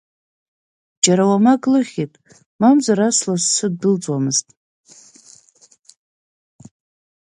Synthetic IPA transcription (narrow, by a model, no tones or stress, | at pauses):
d͡ʒaɾawamaɡlɨχʲitʼ | mamzaɾaslassɨd̚dɨlt͡sʼwamɨztʼ